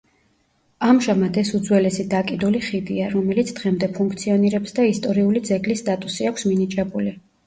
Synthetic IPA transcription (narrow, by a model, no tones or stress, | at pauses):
amʒamad̪ɛsud̪zwɛlɛsid̪akʼid̪uliχid̪iaɾɔmɛlit̪sʰd̪̥ʁɛmd̪ɛpʰuŋkʰt̪sʰiɔniɾɛpsd̪aist̪ʼɔɾiulid̪zɛɡlisːt̪ʼat̪ʼusiakʷʰsminit͡ʃʼɛbuli